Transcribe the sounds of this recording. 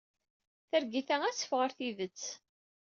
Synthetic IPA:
θəɾɡiθææsə̥fʁəɾθiðət͡sː

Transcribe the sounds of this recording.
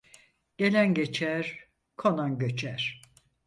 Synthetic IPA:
ɟ̥e̞lʲænɟet͡ʃʰæɾ̥ | kʰonanɟøt͡ʃʰæɾ̥

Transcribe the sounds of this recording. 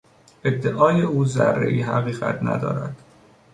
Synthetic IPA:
ʔe̞d̪ːeʔɒːjeuːzærːḛʔiɦæɣiːɣæ̰t̪ʰnæ̰d̪ɒ̰ːɾæd̪̥

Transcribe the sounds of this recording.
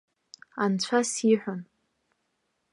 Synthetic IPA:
ant͡ɕʷʰasiħʷʊn

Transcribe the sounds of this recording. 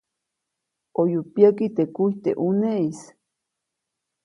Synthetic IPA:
ojupjakit̪ekuit̪ḛʔuneis

